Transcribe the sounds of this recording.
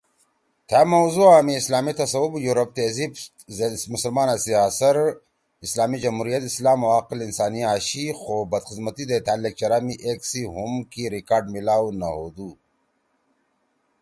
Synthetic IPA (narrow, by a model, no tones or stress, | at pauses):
t̪ʰaːmɐwzuaːmiːslaːmit̪ɐsɐwubjuɾɐp̚t̪ezib | zmʊsəlmaːnasiaːsɐɾ | islaːmid͡ʑɐmhuːɾijɐt̪islaːmɐwaːqɪlinsaːniaːɕixoːbɐd̪xɪzmɐt̪id̪et̪aːlːek̚t͡ʃɐɾaːmiʔeːksiɦumkiɾikaːɾɖmilaːunɐɦoːd̪uː